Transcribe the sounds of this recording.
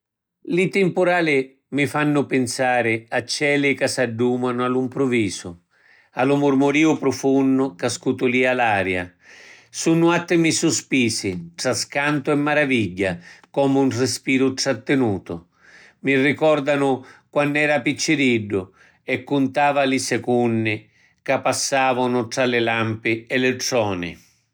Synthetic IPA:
lit̪ɪmpʊɾaːlɪ | mifanːʊpɪnsaːɾɪat͡ʃːɛːlɪkasaɖːuːmanʊalumpɾʊviːsʊ | alʊmʊrmʊɾiːʊpɾʊfunːʊkaskut̪ʊliːalaːɾja̰ | sunːʊat̪ːɪmisʊspiːsɪʈɾaskant̪ʊɛmːaɾaviʎːakɔːmunrɪspiːɾʊʈɾat̪ːɪnuːt̪ʊ | mirːikɔɾd̪anʊkwanːɛːɾapit͡ʃːɪɾiɖːʊ | ɛkːʊnt̪aːvalɪsɛkunːɪ | kapːasːaːvʊnʊʈɾalɪlampɪɛlɪʈɾɔːnɪ̰

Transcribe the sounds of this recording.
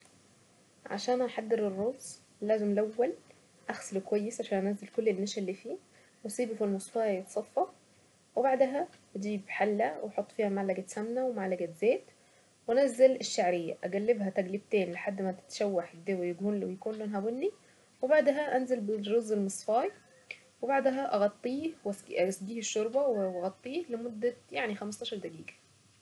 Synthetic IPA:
ʕa̰ʃæːnʔæħad̪ːeɾerːoːz | lːæːzemlæwːæl | ʔæxsælwekwæjːesʕaʃæːnʔæʔnæzːelkolːelnmːæʃælːifiː | wesˤiːbfilmesˤfɑːjet̪sˤɑfːɑ | webaʕd̪æɦæbæd̪iːbħalːæweħot̪ˤːfiːhæmaʕlæɡæsæmnæwemaʕlæɡæzæːt̪ | wʔænæzːælɪʃːaʕɾejːæ̰ʔæɡælːɪbɦæt̪æɡlib̚t̪eːnleħad̪ːmæt̪ɪ̥t̪ʃæwːaħd̪ewæjæɡuːnwjkuːnlonɦæwɪnːi | webaʕd̪æɦæʔænzælbɪrozːelmɨsˤfɑːj | webaʕd̪æɦæʔɑɣɑt̪ˤːiːhwssˤd̪iːheʃːoɾˤbɑwwɑɣɑt̪ˤːiːhlemod̪ːæjaʕnixæmɑst̪ɑːʃɑɾˤd̪æɡiːɡæ̥

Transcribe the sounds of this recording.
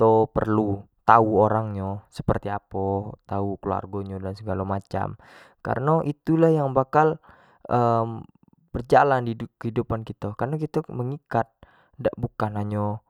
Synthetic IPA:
t̪opə̰rlut̪auoɾaŋɲasə̥pərt̪iapɔt̪aukəlua̰rɡoɲodansəɡalamat͡ʃa̰m | ka̰ɾənaʔit̪ulahjaŋbakal | ʔəm | b̥ərd͡ʒalandikəhidupankit̪akarnakit̪aməŋikat̪̚ | ndaʔbukanaɲo

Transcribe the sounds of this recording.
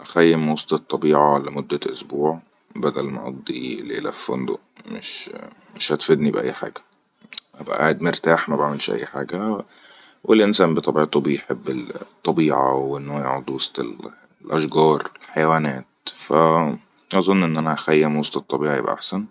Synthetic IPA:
ʔæxæjːemwɑsˤt̪ˤɑt̪ˤːɑbiːʕɑlæmod̪ːæʔosbuːʕ | bæd̪ælmæʔɑd̪ˤːḭlḛlæ̰fːo̰nd̪o̰ | meʃ | mɪʃhæt̪fed̪nibʔæ̰jːħa̰ːɡæ | ʔæbæ̰ʔa̰ːʕed̪mɪɾt̪aːħmæbaʕmelʃʔæ̰jːħa̰ːɡæ | welʔɪnsæːmbet̪ˤɑbiʕt̪ubejħebːet̪ˤːɑbiːʕa̰wʔenːojaʕod̪ˤwɑsˤt̪ḛl | lʔæʃɡɑːɾˤlħajwæːnæːt̪fæ | ʔɑzˤonːʔenːʔænæʔæxæjːæmwɑsˤt̪ˤɑt̪ˤːɑbiːʕɑjḛbʔæ̰ʔa̰ħsæn

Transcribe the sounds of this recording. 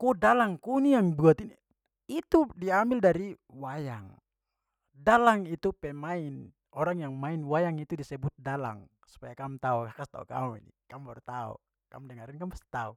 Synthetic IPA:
kudalaŋkunijaŋbuat̪ini | it̪udiambildaɾi | wajaŋ | dalaŋit̪upɛmain | ɔɾaŋjaŋmainwajaŋit̪udisɛbut̪̚dala̰ŋ | su̥pajakamut̪aukakast̪a̰ṵka̰muḭnḭkampɔrt̪aṵ | ka̰mudɛŋaɾinkampast̪t̪au

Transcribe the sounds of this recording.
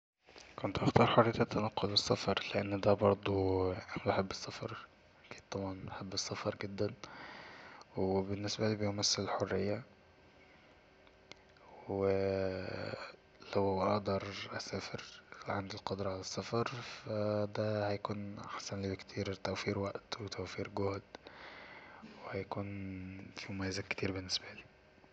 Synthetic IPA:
kont̪ʔɑxt̪ɑːɾˤħorˤejæt̪æt̪ːænæqːolbesˤːɑfɑɾˤleʔenːd̪æbɑɾˤd̪ˤuʔnbeħebːesːɑfɑɾˤ | kiːnt̪ˤɑbʕɑnbeħebːesːɑfɑɾˤɡed̪ːæn | webenːesbæliːbejmæsːellħorːɪjːæ | we | læwwʔɑʔd̪ɑɾˤʔæsæːfɪɾlʕand̪ilqɑd̪ɾˤɑʕalæsːɑfɑɾˤfæd̪æhæjakuːnʔa̰ħsænliːbekt̪ʰiːɾt̪æwfiːɾwæʔt̪wet̪ʰæwfiːɾɡohd̪ | wehæjækuːnfimomæjːazækt̪iːɾbɪnːɪsbæliː

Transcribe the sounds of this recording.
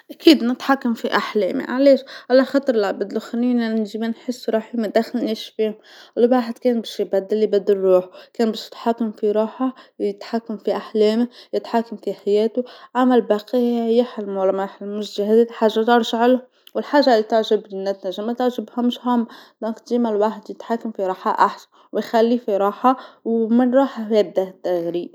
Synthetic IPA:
ʔakiːd̪nɪt̪ħakːamfiʔaħlḛːmḭʔaʕleːʃʕalaxɑːt̪ˤɨɾˤlabɪd̪lʊxanːiːnanʒibinħɪsːɾˤɑːħimad̪axɪlliʃfiːmʔlːbaːħɪd̪keːnbaʃjbad̪ːɪlːibad̪ːɪlˤɾuːħkeːnbɪʃjɪ̥t̪ħakːamfiɾˤɑːħajɪt̪ħakːamfiʔaħleːmɪjɪt̪ħakːamfiħajeːt̪uʕamælbɑqijɪħlmlmaħlmʊʃʒahæd̪iħaːʒːat̪ɑɾˤʃʕalʊ | wɪlħaːʒːalit̪ɪʕʒɪbnːæt̪næʒamæt̪ɪʕʒɪbhæmʊʃhæmːd̪ɔ̃ːk̪d̪iːmælwaːħd̪jɪt̪ħakːamfiɾˤɑːħaʔaħsan | wɪjxælːifiɾˤɑːħawmɪnɾˤɑːħajab̚d̪aʔt̪ːaɣɾiːʔ

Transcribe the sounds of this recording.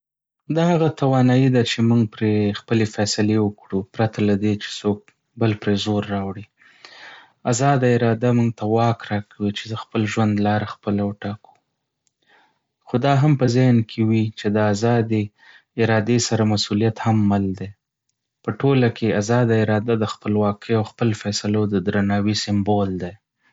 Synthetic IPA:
d̪ahaɣat̪awɑnɑjid̪at͡ʃemuŋɡ̚pɾexpəlefɛsɪlewəkɽupɾat̪ʰalad̪et͡ʃe̥sok̚ | bəlpɾezoɾːɑwɽi | azɑd̪aɪɾɑd̪amuŋɡt̪ʰawɑkɾɑkʰawit͡ʃed̪əxpəlʒwand̪lɑɾaxpəlawəʈɑku̥ | xod̪ɑɦampəzɪhnkʰewit͡ʃed̪əazɑd̪e | ɪɾɑd̪esaɾamasulijat̪hamːald̪e | pəʈolakʰeazɑd̪aɪɾɑd̪ad̪əxpəlwɑkʰəjawxpəlfɛsalod̪əd̪ɾanɑwisɪmbold̪ej

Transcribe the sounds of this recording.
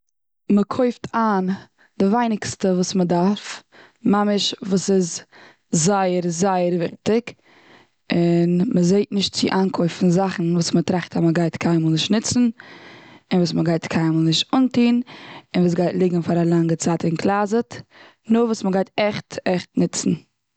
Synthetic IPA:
məkʰoɪftʰaːn | dɪvaɪnɪkstəvuːsmədaɾf | mamɪʃvuːsɪz | zaɪəɾzaɪəɾvɪχtɪk | ɪnməzeɪtnɪʃt̚t͡sɪ̰ʔaːnkʰoʏfn̩zaχn̩vuːsmətɾaχtaməɡaɪtkʰaɪmɔːlˠnɪʃtnɪt͡sn̩ | ɪnvuːsməɡaɪtkʰaɪnmɔlˠnɪʃtʊntiːnɪnvuːs̬ɡaɪtlˠɪɡŋ̩faɾalˠaŋɡət͡saːtɪnkʰlˠaːzət | nʊvuːsməɡaɪtɛχtɛχtnɪt͡sn̩

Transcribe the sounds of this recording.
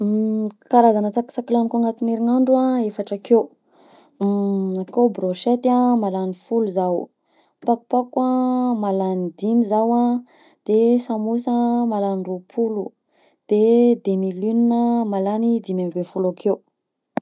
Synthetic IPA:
kaɾazanət͡saki̥t͡sakilanikoaŋat̪ineɾiŋaɳɖ͡ʐuaefaʈ͡ʂəkew | akewbɾoʃet̪amalanifuluzaw | paku̥pakwamalanid̪imizawa | d̪̥esamusəmalanɳɖ͡ʐupʰulu | d̪̥ed̪emilyninəmalanid̪imamibefulakʰew

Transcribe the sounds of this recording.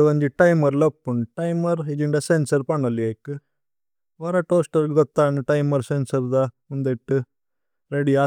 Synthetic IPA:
ʋɐɲd͡ʒiʈɐjmɐɾlɐpːuɳʈɐjmɐɾid͡ʒiɳɖɐsensɐɾpɐɳɐlːiɐkːɨ | ʋɐɾɐʈoːsʈɐɾɡɡɔt̪ːaːnɨʈɐjmɐɾsensɐɾd̪ɐmund̪eʈːɨ | ɾeɖia

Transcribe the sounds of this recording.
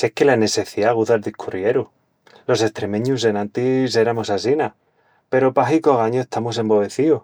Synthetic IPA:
sekelane̞se̞θiaɣuðaɾðihkʰurjeɾu | lo̞se̞st̪ɾe̞mẽɲus̬e̞nãnt̪ise̞ɾamosasina | pe̞ɾopaxikoɣaɲoeht̪ʰamos̬e̞mbo̞βe̞θio

